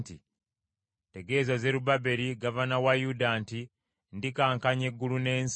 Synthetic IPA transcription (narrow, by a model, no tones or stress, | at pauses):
ti | te̞ɡe̞ːzaze̞ɾubabe̞ɾiɡavanawajudanti | ndikaːŋkaɲe̞ɡːulune̞ːns